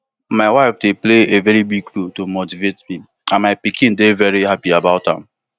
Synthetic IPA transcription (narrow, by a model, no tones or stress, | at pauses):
maɪwaɪfdepleevɛɾibiɡ̚lutomotivetmi | ãnmaɪpikĩndevɛɹihapiabaʊthã̰m